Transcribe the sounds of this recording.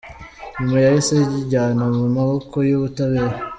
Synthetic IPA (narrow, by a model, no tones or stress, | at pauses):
ɲumajajeseɟiɟaːnamumaβokojuβutaβeːɾa